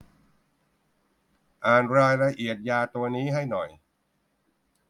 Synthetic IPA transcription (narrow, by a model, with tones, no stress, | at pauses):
ʔaː˨˩nɾaː˧jɾa˧ʔi˨˩ət̪̚jaː˧t̪u˧ɐniː˦˥ɦa˥˩jnɔ˨˩j